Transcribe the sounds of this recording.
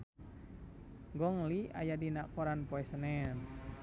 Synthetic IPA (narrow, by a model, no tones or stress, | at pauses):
ɡɔŋlia̰jadinakɔɾanpɔɛsənɛn